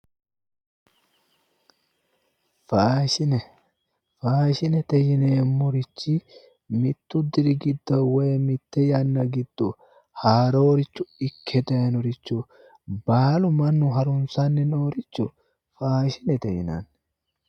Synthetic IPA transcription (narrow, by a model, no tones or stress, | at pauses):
faːʃɪnɛ | faːʃɪnɛt̪ɛjɪneːmːɔɾɪt͡ʃːɪ | mɪt̪ːʊd̪ɪɾɪɡɪd̪ːowɛjmɪt̪ːɛjɐnːɐɡɪd̪̥ːʊ | haːɾoːɾɪt͡ʃːʊɪkʰːɛd̪ɐjnɔɾɪt͡ʃːu | baːlʊmɐnːʊɦɐɾʊnsanːɛnoːɾɪt͡ʃːʊ | faːʃɪnɛt̪ɛjɪna̰n